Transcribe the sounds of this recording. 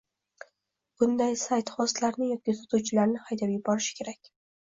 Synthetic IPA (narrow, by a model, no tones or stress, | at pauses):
b̥ʊnd̪ajsajt̪χɒst̪laɾnɪjɒt̪̚kʲit̪ʰʊ̥t̪uwt͡ʃʰɪlaɾnɪhajd̪abjɪbɒɾɪʃɪ̥kʲʰe̞ɾakʲ